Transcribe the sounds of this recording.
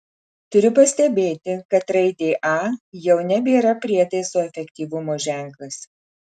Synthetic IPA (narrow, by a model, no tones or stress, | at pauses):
t̪ʊɾʲʊpɐsʲt̪ʲɛbʲeːt̪ʲɪkɐt̪ɾɐɪd̪ʲeːʔɑːjɛʊnʲɛbʲeːɾɐpʲɾʲiɛt̪ɐɪsoːɛfʲɛkʲt̪ʲiːʋʊmoːʒʲæˑŋˑklˠɐs